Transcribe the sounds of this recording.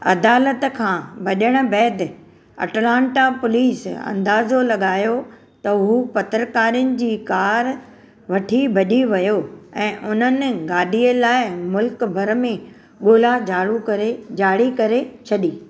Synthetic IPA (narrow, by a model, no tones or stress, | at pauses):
ɐ̰d̪aːlət̪kʰãːbɐʄəɽ̃ʊ̆bɛːd̪ | ɐ̰ʈlãːɳʈapʊliːsɐ̰̃nd̪aːzolɐɠaːjo | t̪ɐʊɦupɐt̪ɾəkaːɾijʊnɪ̆d͡ʑiːkaːɾ | ʋɐʈʰibʱɐɗiʋɐjoɛ̃ːʔʊn̤ənɪ̆ɡaːɖʱiəlaːɪmʊlkbʱɐɾmẽ | ɠoːlad͡ʑaːɽukɐɾed͡ʑaːɽikɐɾet͡ɕʰɐɗiː